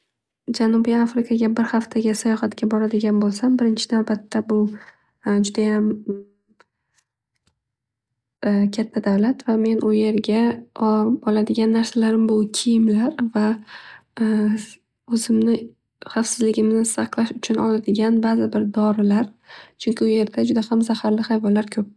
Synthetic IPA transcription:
d͡ʒanubiafɾɪkʰaɡʲabɪɾhaft̪ʰaɡʲɪsajɒχat̪kʲabɒɾad̪ɪɡʲanbolˠsambɪɾɪnt͡ʃʰɪnavbat̪ʰːabʊ | d͡ʒʊd̪ajam | kʲʰat̪ʰːad̪avlat̪vame̞nʔʊje̞ɾɡʲa | ɒlad̪ɪɡʲanːaɾsalaɾɪmbʊkʲʰijɪmlaɾva | ɵzɪmnɪ | χɑfsɪzlɪɡʲɪmnɪsɑqlˠaʃʊt͡ʃʰʊnɒ̰lad̪ɪɡʲanbazɪbɪɾd̪ɒɾɪlaɾt͡ʃʰʊŋkʲʰɪʊje̞ɾd̪ad͡ʒʊd̪ahamzahaɾlɪhajvɒlːaɾkʰɵp̚

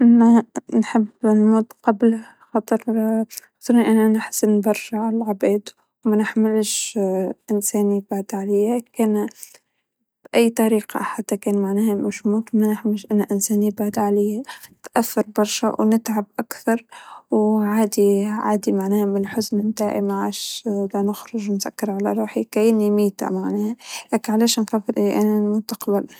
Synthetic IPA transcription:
ʔɪnːanħɪbːnmoːt̪qɑbl | xɑt̪ˤɨɾˤxɑ̥t̪ˤɨɾniʔanːaʔanɪħsɪnbɑɾˤʃaʕalalʕabeːd̪ | wmanɪħmɪlʃ | ʔɪnsæːnibaʕd̪ʕalɪjːakeːn | b̥ʔajːt̪ˤɑɾiːqɑ̰ħat̪ːakeːnmaʕnaːhamaʃmuːt̪manɪħmɪlʃʔanːaʔɪnsæːnibaʕd̪ʕalɪjaɪt̪ʔaθːɑɾˤbɑɾˤʃawnɪt̪ʕab̚ʔakθɑɾˤwʕaːd̪iʕa̰ːd̪imaʕnæːhamɪlħʊznɪnt̪aːʕʔḭmaʕaːʃlanɪxɾʊʒnzakːɪɾˤʕalaɾˤuːħikajnimiːt̪a̰maʕnæːhalæːknʕalæːʃnxaːfɪɾʔiʔanɪlmʊst̪ɑ̥qɑbal

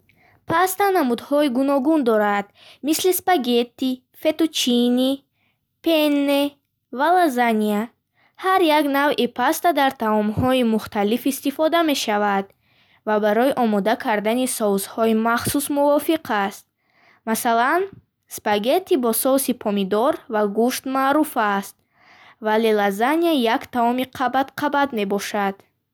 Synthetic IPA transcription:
pʰast̪anamud̪hɔiɡunɔɡund̪ɔɾad̪̥ | mislispaɡe̞t̪ːi | fe̞t̪ut͡ʃʰini | pʰenːe | valazania | haɾjaɡnavʔipʰast̪ad̪aɾt̪ʰaɔmhɔimuχt̪alifist̪ifɔd̪ame̞ʃavad̪ | vabaɾɔiʔɔmɔd̪akʰaɾd̪anisɔwzhɔimaχsusmuvɔfiqʰast̪̚ | masalan | spaɡe̞t̪ibɔsɔwsipʰɔmid̪ɔɾvaɡuʃt̪maːɾufast̪̚ | vale̞lazaniajakt̪ʰaɔmiqʰabat̪qʰabad̪me̞bɔʃad̪̥

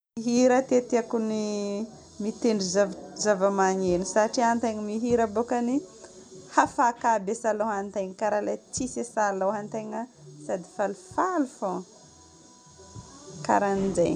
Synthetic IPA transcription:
iɦiɾat̪eat̪iakuni | mit̪eɳɖ͡ʐizazavəmaɲenisaʈ͡ʂiant̪ajŋimiɦiɾabokani | hafakabesaloɦant̪ajɲikaɾalat͡sisesalowɦant̪ajŋasad̪ifalufalufo | ka̰ɾanizaj

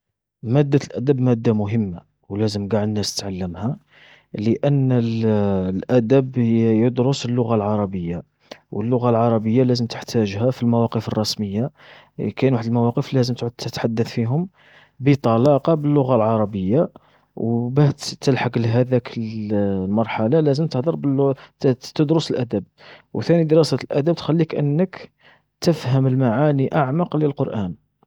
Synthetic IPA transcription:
mæd̪ːalʔæd̪æbmæd̪ːamʊɦəmːa | wlæzəmɡaʕd̪nːæst̪ə̥t̪ʕalːəmhæ | ləʔənːllʔæd̪æbjəd̪ɾʊsəlːʊɣalʕɑɾˤɑbəjːa | wəlːʊɣalʕɑɾˤɑbəjːalæzəmt̪ə̥ħt̪ʰæʒhæfilmæwɑqəfərˤːɑsməjːa | kæjənwaħəd̪əlmæwɑqəflæzəmt̪dt̪ət̪ħad̪ːəθfiɦʊm | bət̪ˤɑlɑqɑbəlːʊɣalʕɑɾˤɑbəjːa | wbæt̪t̪ːəlħaklɦæd̪ækʰəlmɑɾˤħalalæzəmt̪əhd̪ˤəɾˤbəl | t̪əd̪ɾʊsəlʔæd̪əb̚ | wt̪ænid̪əɾɑsæt̪əlʔæd̪əb̚t̪xælːikʔə̰nːək | t̪əfhəməlmaʕaniʔaʕmɑqləlqoɾˤʔæn

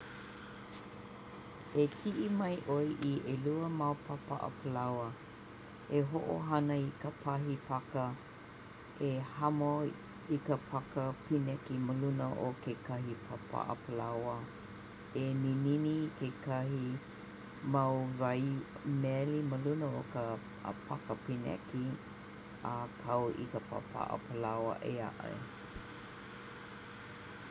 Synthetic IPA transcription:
ekʰiʔimɐjʔojʔiʔeluəmawpʰɐpa̰ʔə̰pʰəlawə | eɦoʔo̰ɦɐnəikəpʰɐɦipʰɐkə | ʔehɐmo | ikəpʰɐkəpinɛkiməlunəʔokekɐhipʰapʰa̰ʔə̰pʰəlawə | enininikekɐhi | mawvɐjmeɛliməlunəokə̰ | pʰakəpinɛ̰ki | əkʰɐwḭkəpʰa̰pʰa̰ʔə̰pʰəlawə̰ʔḛa̰ʔɐ̰j

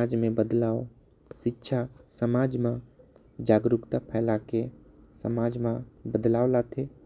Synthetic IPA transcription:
aːd͡ʒmẽbəd̪laːo | ʃɪtːʃʰasəmaːd͡ʒmã | d͡ʒaːɡɾʊkt̪apʰɛːlake | sə̰maːd͡ʒmãbəd̪laːolat̪ʰe

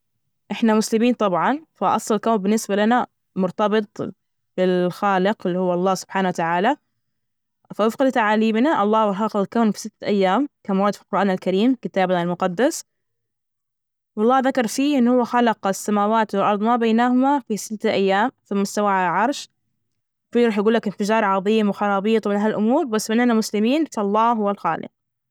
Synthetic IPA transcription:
ʔɪħnamʊslɪmiːnt̪ˤɑbʕɑnfaʔɑsˤlɑlkaːnbɪnːɪsbalana | mʊɾt̪ɑbɨt̪ˤ | b̥ɪlxaːlɪqɪlːiːhʊwːɑlˤːɑːsʊb̥ħaːnawat̪aʕaːla | fawɪfqɪd̪t̪aʕaːliːbnaʔɑlˤːɑːwɑɾˤɦɑqlkawnfi̥sɪt̪ːʔajːaːmkamawɑːd̪filqʊɾʔaːnalkaɾiːmkɪt̪aːbaɪlmʊqɑd̪ːas | wɑlˤːɑːðakɑɾˤfiʔɪnːhʊwːaxalɑqsːamaːwaːt̪wɪlʔɑɾˤd̪ˤmabajnaːhʊmafisɪt̪ːaʔajːaːmθɪmːʊst̪awaʕaʕɑɾˤʃ | fiɾˤɑːħjɡuːlːakɪnfɪd͡ʒɑːɾˤʕɑðˤiːmwɪxɑnɑːbiːt̪ˤmɪnɦalʔʊmuːɾbasːɪnːanamʊslɪmiːnfɑlˤːɑːɦʊwːalxa̰ːlɪ̰q̚

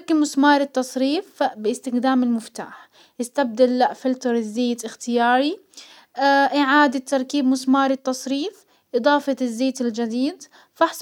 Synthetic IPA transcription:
kːɪmʊsmɑːɾˤɪt̪ːɑsˤɾiːfbɪɪst̪ɪxd̪aːmɪlmʊft̪a̰ːħ | ʔɪst̪ab̚d̪alːaʔfɪlt̪ɑɾˤɪzːeːt̪ɪxt̪ɪjaːɾˤi | ʔɪʕaːd̪at̪ːɑɾˤkiːbmʊsmɑːɾˤɪt̪ːɑsˤɾiːf | ʔɨd̪ˤɑːfɑzːeːt̪ɪld͡ʒad̪iːd̪ | fɑħs

